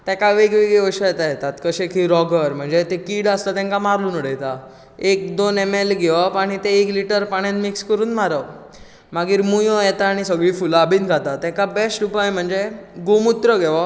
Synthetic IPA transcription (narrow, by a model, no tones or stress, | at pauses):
t̪jɛ̃kaʋeɡʋeɡeʋəɕajɛt̪ajɛt̪at̪kəɕekʰiɾɔɡəɾm̤əɳd͡zet̪ekiːɽast̪at̪ɛ̃ŋkamaɾluːnuɽejt̪a | ek̚d̪onemelɡɛʋapaɽ̃it̪eekliʈəɾpaɽãnmikskəɾuːnmaɾə | maɡiːɾmujɔ̃jɛt̪aːɽ̃isəɡɭiːfulabiːnɡʱat̪at̪ɛ̃kabesʈupajem̤əɳd͡zeɡomut̪ɾəɡʱɛʋa